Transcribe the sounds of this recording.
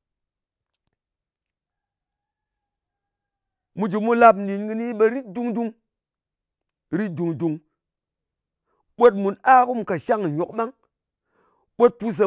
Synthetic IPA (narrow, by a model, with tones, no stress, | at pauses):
mu˧d͡ʒi˨mu˦la˧p̬̩˨ni˨nɡɨ˧ni˦ɓe˧ɾi˦t̚du˦˧ŋdu˧ŋ | ɾi˦t̚du˨ŋdu˨ŋ | ɓo˦t̬̚mu˨naː˦ku˦m˨ka˨ʃa˦ŋ˨ɲo˨k̚ɓa˦ŋ | ɓo˦t̚pu˦s̬e˨